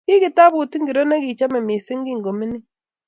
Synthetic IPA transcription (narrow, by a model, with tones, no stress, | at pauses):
ki˦ki˨ta˦βu˨ti˦ŋɡi˨ɾo˦na˦ki˨t͡ʃa˦me˨mi˨se˦ŋɡi˦ŋɡo˨mi˦ni˦